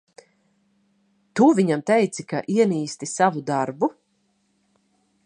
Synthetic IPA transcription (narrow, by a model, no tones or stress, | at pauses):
t̪uviɲamt̪ɛjt̪sikaʔiɛniːst̪isavud̪aɾbu